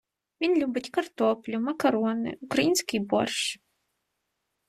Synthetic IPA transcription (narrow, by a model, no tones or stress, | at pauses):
mʲinlʲubɨtʲkɐrt̪ʰɔplʲumɐkʰɐɾɔnɨ̰ukrɐinskʲijbɔ̰rʂ